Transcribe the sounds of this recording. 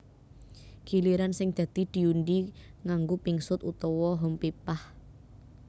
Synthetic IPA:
kiliɾansɪŋd̪̥ä̤d̪̥i̤d̪̥i̤undiŋaŋɡopiŋsʊt̪ut̪ɔwɔɦɔmpipah

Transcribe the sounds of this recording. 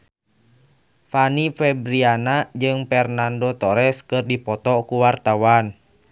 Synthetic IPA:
fanifɛbɾianad͡ʒɨŋpɛrnandot̪ɔɾɛskɨrdipɔt̪ɔkuwart̪awan

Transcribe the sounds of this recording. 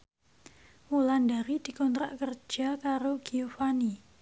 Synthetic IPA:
mulandaɾid̥i̤kɔnt̪ɾa̰ʔkərd͡ʒʒ̥akaɾoɡ̥iofani

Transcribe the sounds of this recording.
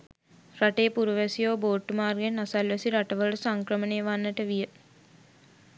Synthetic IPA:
raʈejːpuɾuʋæsijoːboːʈːumaːrɡenasalʋæsiɾaʈəʋəɭəsaŋkɾəməneːʋanːəʈəʋijə

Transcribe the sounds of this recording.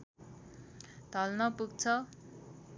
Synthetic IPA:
t̪ʌlnʌpuɡ̚t͡sʰʌ

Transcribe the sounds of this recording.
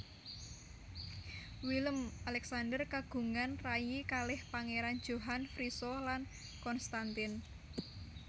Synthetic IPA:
wiləmalɛksandərkaɡ̥ṳŋanrajikalɪhpaŋeɾan̥d͡ʒ̥o̤ɦanfɾisɔlan | kɔnst̪ant̪ɪn

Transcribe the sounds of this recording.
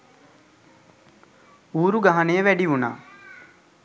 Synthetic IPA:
uːɾuɡaɦanejəʋæɖiuna̰ː

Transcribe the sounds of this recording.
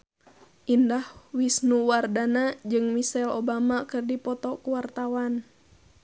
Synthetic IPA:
ʔindahwisnuwardanad͡ʒɨŋmisɛlobamakɨrdipɔt̪ɔkuwart̪awan

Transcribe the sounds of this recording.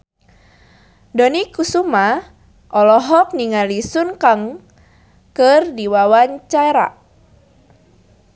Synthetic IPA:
dɔnikusuma | ʔɔlɔɦɔk̚niŋalisunkaŋ | kɨrdiwawaɲt͡ʃaɾa̰

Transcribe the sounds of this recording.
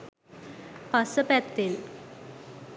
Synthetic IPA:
pasəpɛt̪ːel

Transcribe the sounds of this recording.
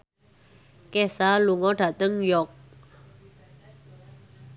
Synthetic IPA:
kɛsaluŋɔɖat̪əŋjɔk̚

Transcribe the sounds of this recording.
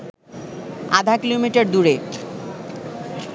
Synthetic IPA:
ad̪ʱakilomiʈaɾd̪uɾe

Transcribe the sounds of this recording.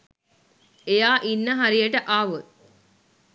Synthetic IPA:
ejaːʔinːəɦaɾijəʈəʔaːʋə

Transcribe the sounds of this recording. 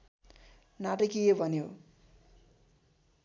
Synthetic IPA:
naʈʌkijobʱʌnjo

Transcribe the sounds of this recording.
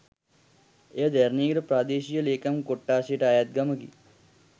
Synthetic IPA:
ed̪eɾniːɡɾɐpɾaːd̪eːʃijɐleːkɐmkoʈːaːʃiʈaːjat̪̚ɡɐməɡḭ

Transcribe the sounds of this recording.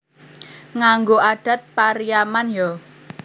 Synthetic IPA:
ŋaŋɡoʔaɖ̥a̤t̪̚paɾijamanjɔ

